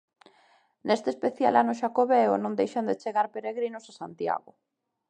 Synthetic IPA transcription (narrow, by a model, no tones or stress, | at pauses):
nest̪eːspeθja̰lʔanʊʃ̬akoβeʊ̰nõŋd̪ejʃand̪et͡ʃeɣaɾpeɾeɣɾinʊsasant̪ja̰ɣʊ